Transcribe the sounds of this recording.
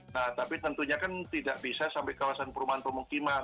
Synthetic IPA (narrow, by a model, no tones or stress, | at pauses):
naht̪apit̪ənt̪uɲakant̪idaʔbisasampajkawasanpəɾumaɦanpəmukiman